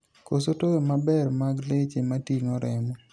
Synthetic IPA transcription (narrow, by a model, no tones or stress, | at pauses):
kosotowemabɛrmaɡlet͡ʃematiŋɔɾɛmɔ